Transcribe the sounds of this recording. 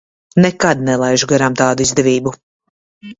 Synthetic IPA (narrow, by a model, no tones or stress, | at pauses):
nɛkad̪̚nɛlˠajʒuɡaɾamt̪aːd̪uizd̪ɛvʲiːbu